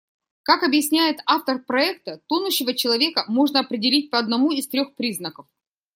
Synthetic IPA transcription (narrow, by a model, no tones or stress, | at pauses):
kakɐbjɪsʲnʲæjɪt̪aft̪ərpɾɐɛk̚t̪ət̪onʊɕːɪvət͡ɕɪlˠɐvʲe̞kəmo̞ʐnəɐpɾʲɪdʲɪlʲit̚ʲpəɐd̪nɐmuist̪ɾʲo̞xpɾʲiznəkəf